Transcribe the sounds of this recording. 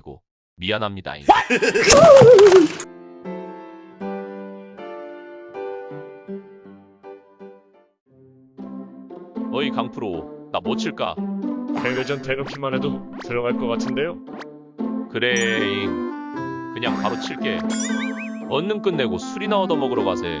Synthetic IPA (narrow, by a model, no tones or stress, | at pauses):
iɡ̥o̰ | mianɦamɲida̰ḭ | ʌikaŋpʰɯɾonamot͡ɕʰiɭk͈a̰kewed͡ʑʌntenop̚ɕʰimane̞doseɾjʌŋaɭk͈ʌk͈atʰɯnde̞jo | kɯɾe̞i | kɯɲaŋkaɾot͡ɕʰiɭk͈e̞ | ʌnːɯnk͈ɯnːe̞ɡosʰuɾinaodʌmʌɡɯɾʌɡasʰe̞̰